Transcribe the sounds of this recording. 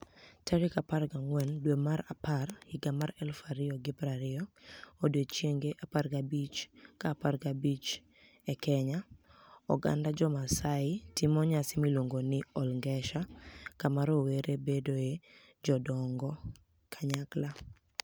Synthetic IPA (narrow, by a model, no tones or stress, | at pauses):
taɾɪkapaɾɡaŋwɛndwemaɾaparhɪɡamaɾɛlfaɾɪɔɡɪpɾaɾɪɔodwet͡ʃjeŋɡeʔaparɡabit͡ʃkaparɡabit͡ʃ | ɛkɛɲaɔ̰ɡa̰ndad͡ʒɔmasaɪtimɔɲasɪmilwoŋɡonɪɔlŋɡɛʃakamaɾoweɾebedoe | d͡ʒɔdɔŋɡɔ | kʰaɲakla